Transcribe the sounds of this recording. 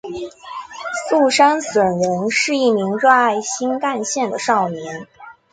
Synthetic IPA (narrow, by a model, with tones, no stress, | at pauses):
su˥˩ʂa˥nswə˨˩nɻə˧˥ŋʂɻ̩˥˧i˥˩mi˧˥ŋʈ͡ʂə˥˧a˥˩ɪɕi˥nka˥˧nɕjɛ˥˩nd̪ə˩ʂɑ˥˩ʊnjɛ˧˥n